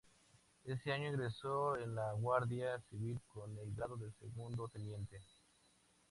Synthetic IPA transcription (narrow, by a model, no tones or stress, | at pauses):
e̞seaɲoeɣɾesoenlaɣwaɾðjasiβilkonelɡɾaðoðelsḛɣund̪ot̪enje̞nt̪e